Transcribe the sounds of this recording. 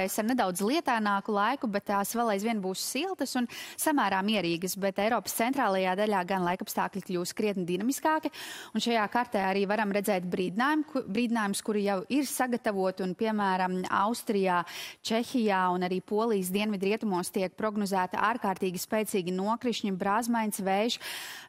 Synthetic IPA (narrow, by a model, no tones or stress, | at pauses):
esaɾned̪awd̪zlˠiɛt̪aːnaːkulˠajkubɛt̪ːaːsʋɛlˠajzʋiɛnbuːsːilˠt̪əsunsamæːɾaːmiɛɾiːɡəsbɛt̪ɛjɾɔːpst̪sɛnt̪ɾaːlˠɐjaːd̪alʲaːɡanlˠajkapst̪aːklʲiklʲuːskɾiɛt̪nid̪inamiskaːkiunʃajaːkaɾt̪ɛːaɾiːvaɾamɾɛd̪zɛːt̪bɾiːd̪naːjumbɾiːd̪inaːjumskuɾjawiɾsaɡat̪avuɔt̪unpiɛmæːɾɐma̰wst̪ɾijaːt͡ʃɛçʲijaːunaɾiːpuɔlˠiːs̬d̪iɛnvid̪ɾiɛt̪umuɔst̪iɛk̚pɾɔɡnɔzæːt̪ḭʔaːɾkaːɾt̪iːɡispɛːt̪siːɡʲinuɔkɾiʃɲibɾaːzmajnʲsʋɛjʒ